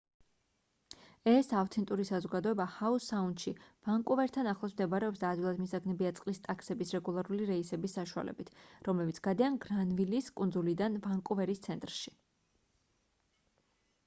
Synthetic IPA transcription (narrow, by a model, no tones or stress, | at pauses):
ɛsaft̪ʰɛnt̪ʼuɾisazɔɡad̪ɔɛbahausaund̪̥ʃiv̥aŋkʼuvɛɾt̪ʰanaχlˠɔsmd̪ɛbaɾɛɔpsd̪aːd̪ɡilˠad̪misaɡnɛbiat̪sʼqʼlist̪ʼakʰsɛbisɾɛɡulˠaɾuliɾɛisɛbisːaʃua̰lɛ̰bit̪ʰɾɔmlɛbit̪sɡ̥ad̪ianɡɾanviliskʼund̪zulid̪anvaŋkʼuvɛɾist̪sʰɛnt̪ʼɾʃi̥